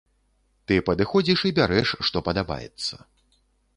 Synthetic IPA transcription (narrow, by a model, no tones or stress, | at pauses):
t̪ɨpɐd̪ɨxɔd͡zʲiʂibʲaɾɛʂːt̪ɔpɐd̪aba̰jɛ̰t̪sːɐ̥